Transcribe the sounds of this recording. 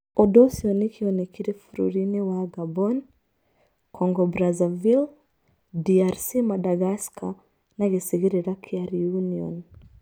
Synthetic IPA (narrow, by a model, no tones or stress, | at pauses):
ɔdɔsiɔnikiɔnikiɾifuɾṵɾinɛwaɡabɔn | kʰɔŋɡɔbɾazavil | diaɾsimadaɣaskʰa | naɣisiɣiɾiɾakʰiaɾiuniɔ̰n